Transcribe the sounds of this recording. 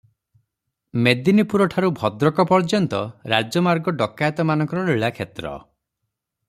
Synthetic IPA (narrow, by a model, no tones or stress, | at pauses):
med̪inipuɾɔʈʰaɾubʱɔd̪ɾɔkɔpɔɾd͡ʒɔnt̪ɔɾad͡ʒɔmaɾɡɔɖɔkajt̪ɔmanɔŋkɔɾɔɾiɭakʰet̪ɾɔ̰